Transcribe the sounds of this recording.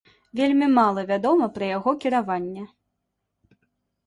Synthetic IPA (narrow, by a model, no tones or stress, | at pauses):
vʲelʲmʲimalˠɐvʲad̪ɔmɐpɾɐjaɣɔkʲiɾavanʲːɛ